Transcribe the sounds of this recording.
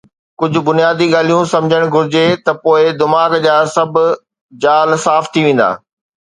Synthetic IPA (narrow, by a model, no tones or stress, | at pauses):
kʊd͡ʑʱʊ̆bʊnijaːd̪iɠaːlijũsɐ̃md͡ʑʱəɽ̃ɡʱʊɾɪd͡ʑet̪ɐpoːɪd̪ɪmaːɡd͡ʑaːsɐbʱʊ | d͡ʑaːlsaːft̪ʰiʋẽːn̆d̪a̰ː